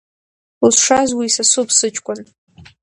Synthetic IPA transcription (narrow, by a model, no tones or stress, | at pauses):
lʂazwiːsasupʰsɨt͡ʃʼkʷʼan